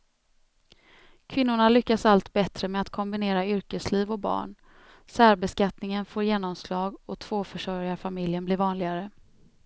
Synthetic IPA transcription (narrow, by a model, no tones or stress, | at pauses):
kʰvɪn̪ːʊɳalʏkːasalt̪bɛt̪ɾəmɛat̪kʰɔmbɪneːɾaʏɾkəsliːvɔk̚bɑ̰ːɳ | sæːɾbɛskat̪nɪŋənfoːɾjeːnɔmslɑːɡɔt̪ʰv̥oːfœʂœɾjaɾfamɪljənblɪːɾvɑːnlɪɡaɾə